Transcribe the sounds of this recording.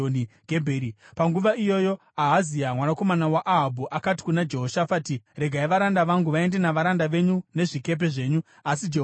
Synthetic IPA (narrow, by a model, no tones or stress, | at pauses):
oniɡʱebʱeːɾipaŋɡuʋaijo̞jo̞ | aɦaziamwanako̞manawaʔːɦabʱuʔakati̥kunad͡ʒe̞ɦoʃafatire̞ɡʱaiʋaɾandaʋaŋɡuʋae̞ndenaʋaɾandaʋe̞ɲune̞ʐike̞p̬e̞ʐe̞ːɲu | asid͡ʒe